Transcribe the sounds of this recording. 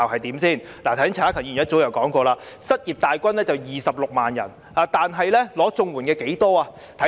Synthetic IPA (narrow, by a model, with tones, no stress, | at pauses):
ɐ˨˩hɐ˨jt̪iː˨˥msiː˥˩n | la˨t̪ʰɐ˨˥ŋt͡sʰːaː˥kʰɐ˨˩ŋjy˨˩˨t̚t͡so˨˥wjɐ˨˩wkɔː˨˥ŋkɔː˧laː˧ | sɐ˥t̚jiː˨˩p̚t̪aː˨jkʷɐ˥nlɛː˥t͡sɐ˨wjiː˨sɐ˨p̚lʊ˨k̚maː˨˩njɐ̰˨˩n | aː˨˧t̪aː˨nɦɐ˨jlɛː˥lɔː˨˥t͡sʊ˧ŋwuː˨˩nkɛː˧ke˨˥jt̪ɔː˥aː˧ | t̪ʰɐ˨˥